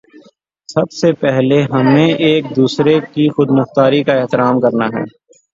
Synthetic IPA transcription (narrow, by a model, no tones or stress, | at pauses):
sɐbsepɛɦleɦɐmẽʔːk̚d̪uːsɾekixʊd̪nɐft̪aːɾikaɪɦt̪ɪɾaːmkɐɾnaɦɛ̰ː